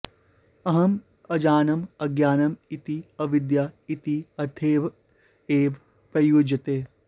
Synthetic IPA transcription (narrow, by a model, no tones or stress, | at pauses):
ɐɦɐm | ɐd͡ʒaːnɐmɐɡjaːnɐmit̪iɐʋɪd̪jait̪iɐɾt̪ʰeːʋ | eːʋ | pɾɐjoːd͡ʒɐt̪eː